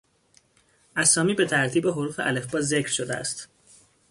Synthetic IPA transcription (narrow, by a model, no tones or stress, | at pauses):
ʔæsɒːmiːbe̞t̪ʰæɾt̪ʰiːbe̞ɦo̞ɾuːfe̞ʔæle̞fbɒːzecʰɾʃod̪eæ̰st̪